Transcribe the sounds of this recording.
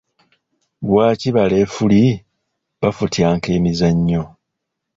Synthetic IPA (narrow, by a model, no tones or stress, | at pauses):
βwaːciβale̞ːfuli | βafutʰjaːŋke̞ːmizaɲːo̞